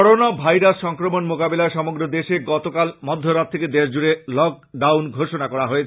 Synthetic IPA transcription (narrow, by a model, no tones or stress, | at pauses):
ɔɾonabʱajɾasʃɔŋkɾomonmokabelaeʃɔmoɡɾod̪eʃeɡɔt̪okalmɔd̪ʱːoɾat̪̚ʰeked̪eʃd͡ʑuɾelɔk̚ | ɖawnɡʱoʃonakɔɽaɦoet͡ɕʰ